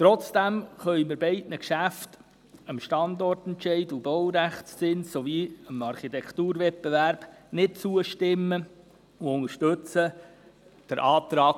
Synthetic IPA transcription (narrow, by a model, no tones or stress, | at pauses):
t̪ɾɔt͡sd̥æmχœjməɾbɛɪdnəkʃæft | əmʃtɑnd̪ɔrtɛntʃɛɪdubɔwɾæχtst͡sɪnssoviəmɑɾχit̪ɛkt̪uːɾvɛt̚bevæɾb̥nɪt̚t͡suəʃtɪmːə | uʊŋəɾʃtɵt͡sə | d̪̥əɾʔɑːt̪ɾɑːk